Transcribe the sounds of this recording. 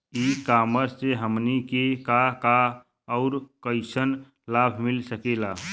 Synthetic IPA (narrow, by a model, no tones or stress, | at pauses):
ikaməɾseɦəmnikekaka | ɔʊɾkəɪsən | labʱmilsəkela